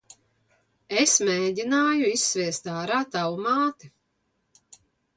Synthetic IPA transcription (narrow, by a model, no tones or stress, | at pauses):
esmeːɟʲinaːjuisːvʲiɛst̪aːɾaːt̪awumaːt̪i